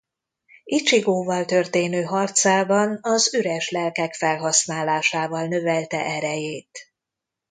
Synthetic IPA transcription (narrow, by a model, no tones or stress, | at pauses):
it͡ʃiɡoːvɒlt̪ørt̪eːnøːɦɒrt̪saːbɒnɒzyɾɛʃlɛlkɛkfɛlɦɒsnaːlaːʃaːvɒlnø̞vɛlt̪ɛ̰ʔɛɾɛjeːt̪